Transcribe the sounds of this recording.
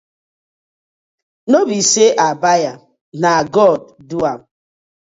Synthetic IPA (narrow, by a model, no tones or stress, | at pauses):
nobiseʔabaja | naɡɔd̚duam